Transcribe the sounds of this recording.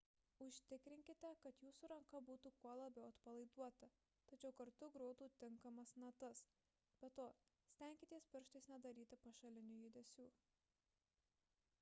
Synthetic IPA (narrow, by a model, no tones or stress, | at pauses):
ʊʃʲt̪ʲɪkɾʲɪŋʲkʲɪt̪ʲɛkɐt̪juːsuɾɐŋkɐbuːt̪uːkuɔlˠɐbʲɛʊɐt̪pɐlˠɐɪd̪uɔt̪ɐ | t̪ɐt͡ʃʲɛʊkɐɾt̪ʊɡɾoːd̪uːt̪ʲɪŋkɐmɐsnɐt̪ɐs | b̥ʲɛt̪oː | sʲt̪ʲɛˑŋʲkʲɪt̪ʲiɛspʲɪɾʃt̪ɐɪsnʲɛd̪ɐɾʲiːt̪ʲɪpɐʃɐlʲɪnʲʊjɪd̪ʲɛsʲuː